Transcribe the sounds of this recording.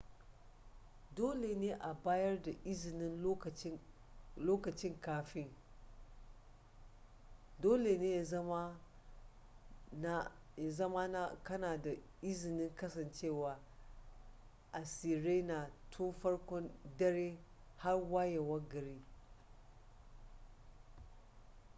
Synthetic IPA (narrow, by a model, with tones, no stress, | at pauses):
doː˦le˨neː˦ʔa˨baː˦jɐ˦rda˨ʔɪ˦zɪ˨nɪ˦n˦˨˦ | loː˦kɐ˨t͡ʃɪ˦ŋkaː˨fɪ˦ŋ | doː˦le˨neː˦j | ja˨zɐ˦ma˦na˦kɐ˦naː˨da˨ | ʔɪ˦zɪ˨nɪ˦ŋkɐ˦sɐ˨nt͡ʃe˦˨waː˨ | ʔa˨siː˨ɾe˦na˨tʰoː˦fɐ˦ɽkʷɔ˦ndɐ˦ɾeː˦ | ha˦rwaː˦je˨wɐ˦ɡɐ˨ɾi˦